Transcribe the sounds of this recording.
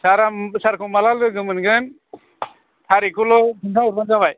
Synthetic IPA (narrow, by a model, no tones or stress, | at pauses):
saɾasaɾkʰumalalɡɯɡɯmɯnɡɯn | t̪ʰaɾikʰulɔpʰɯntʰauɾbanɡabaj